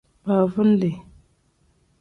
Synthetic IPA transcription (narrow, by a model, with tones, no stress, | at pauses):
ba˨vu˦n̩˦le˨